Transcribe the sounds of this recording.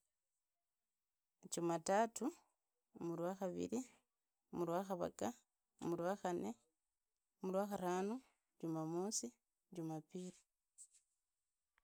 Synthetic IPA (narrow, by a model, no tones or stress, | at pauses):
t͡ʃumatatu | mulwaxaβḭɾi | mulwaxaβa̰ka | mulwaxane | mulwaxaɾaːnu | ɟumamusi | ɟumapiɾi